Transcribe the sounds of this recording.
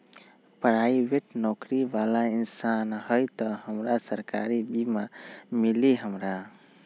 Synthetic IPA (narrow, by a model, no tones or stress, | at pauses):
pəɾajbeʈnɔkɾibalainsanhəjt̪ɔhəmɾasəɾka̰ɾibimamiliɦəmɾa